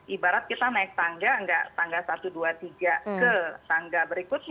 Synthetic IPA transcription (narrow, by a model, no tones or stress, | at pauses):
ʔibaɾat̪̚kit̪anaɪk̚t̪aŋɡaəŋɡa̰ʔt̪aŋɡasat̪uduat̪iɡakət̪aŋɡabəɾikʊt̪̚